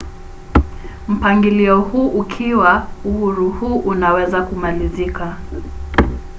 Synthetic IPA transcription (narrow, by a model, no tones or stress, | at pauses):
m̩paŋɡiliɔhuːʔukʰiwauhuɾuhuːʔunawɛzakumalizika